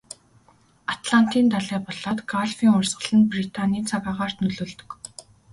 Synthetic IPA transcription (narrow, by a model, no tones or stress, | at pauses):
at̪ɮan̥t̪iːnt̪aɮæːpɔɮɔːt̪ɡaɮfiːŋʊrʲsʁə̆ɮə̆nprit̪ʰaniːnt͡sʰaɣaːʁaːr̥t̪nɵɮoːɮt̪ɵ̥̆k